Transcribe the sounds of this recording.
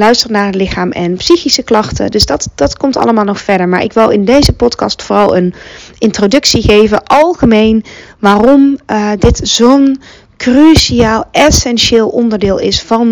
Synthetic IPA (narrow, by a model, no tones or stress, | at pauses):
lœɥstəɹnaːɹɦətlɪxaːmʔɛnpsixisəklɑxtə̰dɵsdɑtd̥ɑtkɔmtɑ̰ləmaːlˠnɔxfɛɹdəɹmaːɹʔɪ̰kʋɪlˠɪndejzəpɔtkɑ̰stfoːrɑlˠənɪntrodɵksiχejvəʔɑlˠχəmejnʋaːrɔmdɪtz̥own | kryʃiaːlˠɛsɛnʃɪːlˠʔɔndəɹdɪːlˠɪsfɑn